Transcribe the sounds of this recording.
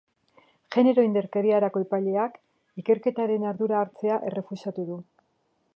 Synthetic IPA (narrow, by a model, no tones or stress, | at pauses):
ʝe̞ne̞ɾo̞ind̪e̞ɾkaɾiaɾako̞epaʎe̞ak | ike̞ɾke̞t̪aɾe̞naɾðuɾaːɾt͡se̞aʔe̞̰re̞fusat̪uðu